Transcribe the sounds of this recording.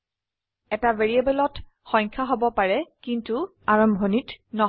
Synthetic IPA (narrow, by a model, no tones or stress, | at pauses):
ɛtaveɹiebɛlɔt | xɔɲkʰaɦobɔpaɹɛkintu | aɹɔmbʱonitnɔ